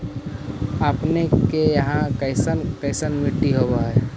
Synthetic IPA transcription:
əpnekejəɦãkəɪsənkəɪsənmɪʈːiɦobaɦɛ

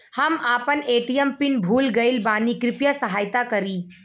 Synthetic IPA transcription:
hɐmaːpəneːʈiəmpɪnbʱuːlɡɐɪlbaːnikɾɪpjasɐɦaːjt̪akɐɾiː

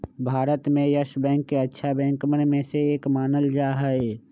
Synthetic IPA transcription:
bʱaːɾət̪mẽjəʃbɛ̃ːŋkːeɐtːʃʰabɛ̃ːŋkmənmẽseeːkmaːnəld͡ʒaːɦaeː

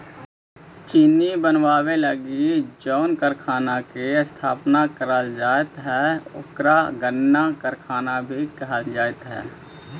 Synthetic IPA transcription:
t͡ʃiːnibənwaːweləɡid͡ʒɔːʊnkəɾkʰaːnakest̪ʰaːpnakəɾəld͡ʒaːɪt̪ɦɛʊ̰kɾaɡənːakəɾkʰaːnabʱikəɦəld͡ʒaːɪt̪ɦɛ̰ː

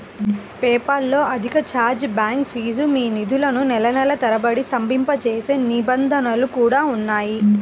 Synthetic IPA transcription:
pɛːpɐlːo̞ːʔɐd̪ʱikɐt͡ʃaːɾd͡ʒbaːŋkpʰiːd͡ʒumiːnid̪ʱulɐnunɛlɐnɐlɐt̪ɐɾɐbɐɽisɐmbʱimpɐt͡ʃeːse̞ːnibɐnd̪ʱɐnɐlukuːɽaːunːaːji

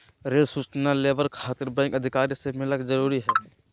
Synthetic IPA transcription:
ɾeːlsʊt͡ʃnaleːʋəɾkʰaːt̪əɾbɛ̃ːŋkəd̪ʱɪkaːɾisemɪləkzəɾuːɾiɦɛː

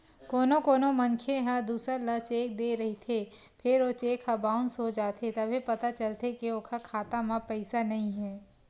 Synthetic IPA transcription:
koːnokoːnomɐnkʰeɦɐd̪uːsəɾlɐt͡ʃeːk̚d̪eɾɐɦit̪ʰe | pʰɪɾot͡ʃeːkhɐbaːʊnsod͡ʒaːt̪ʰet̪ɐbʱepɐt̪at͡ʃəlt̪ekioːkʰɐkʰaːt̪amãpɛɪsanɐɦĩɦɛː

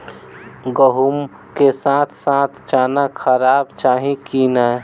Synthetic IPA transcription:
ɡəɦum | kesãt̪ʰsãt̪ʰt͡ʃaːnakʰəɾaːbt͡ʃaːɦĩkina

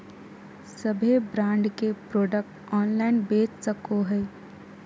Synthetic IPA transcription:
səbʱebɾãːɳɖkepɾoːɖək̚ʈ | ɔːnlaɪnbeːt͡ʃsəkoɦɛ

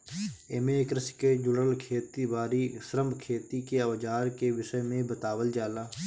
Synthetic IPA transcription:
eːmekɾɪsked͡ʒʊɽəlkʰeːt̪ibaːɾisəɾəmbʱkʰeːt̪ikeɐʋd͡ʒaːɾkeʋɪʃəjmẽbət̪aːʋəld͡ʒaːlaː

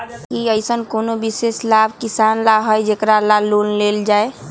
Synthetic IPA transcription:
kiəjsənkonobiseslabʱkisanlaɦəjd͡ʒekɾalalonleld͡ʒae

